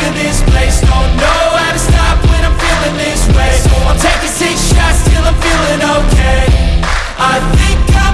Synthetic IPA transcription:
ɨ̃nðɪspʰl̥eɪsoʊnoʊaɪɾɨstɑpwɨ̃ɾnãɱfilˠɪ̃ŋðɪspʰl̥eɪstʰeɪkɨsɪkʃastʰɪlˠəfilˠɪ̃ŋoʊkʰeɪ | ʔaɪθɪ̃ŋka

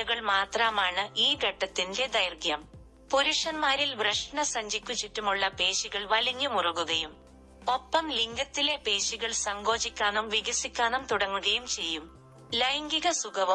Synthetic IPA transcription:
uɣɐɭmaːt̪raːmaːɳɨʔiːɡʱɐʈːɐt̪ːinde̞d̪ɐjrɡjɐm | poɾuʂɐnmaːɾilbrɐʂɳɐsɐɲd͡ʑikʲːut͡ɕːitːumuɭːɐpe̞ːɕiɣɐɭʋɐliɲːumurɐɣuɣɐjum | o̞pːɐmliŋɡɐt̪ːile̞pe̞ːɕiɣɐɭsɐŋɡo̞ːɕikʲːaːnumʋiɣɐsikʲːaːnɐmt̪uɽɐŋːuɣɐjumt͡ɕe̞jːum | lɐjŋɡiɣɐsuɣɐʋɐ

